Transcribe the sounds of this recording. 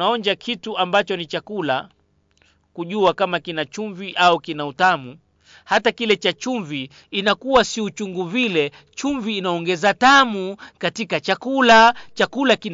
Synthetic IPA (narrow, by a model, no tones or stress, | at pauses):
aɔɲd͡ʒakʰituambat͡ʃɔnit͡ʃakula | kuʄuakamakinat͡ʃuɱviʔaukinautamu | hatakilɛt͡ʃat͡ʃuɱviː | nakuwasiut͡ʃuŋɡuvilɛ | t͡ʃuɱviːnaɔŋɡɛzatamukatikat͡ʃakulat͡ʃakulakin